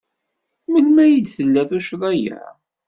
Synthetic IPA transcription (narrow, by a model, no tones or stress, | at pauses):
məlmæjid̪θəlːæθuʃɾˤɑjæ̰ɾ